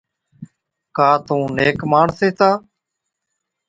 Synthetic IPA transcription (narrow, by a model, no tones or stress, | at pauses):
kaːt̪ũːneːkmaːɳseːt̪aː